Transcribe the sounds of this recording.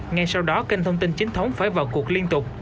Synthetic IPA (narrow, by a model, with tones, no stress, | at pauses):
ŋa˧jsa˧wɗɔ˨˦ki˧ŋ̟t̪ʰə˧wŋ͡mt̪i˧nt͡ɕi˨˦ŋ̟t̪ʰə˨˦wŋ͡mfaː˧˩jvaː˨˩wku˨˩ək̚li˧ənt̪ʊ˨˩k͡p̚